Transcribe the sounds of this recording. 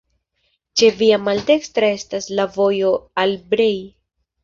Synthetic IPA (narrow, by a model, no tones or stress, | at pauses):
t͡ʃe̞viamalde̞kstɾae̞staslavo̞jo̞albɾe̞j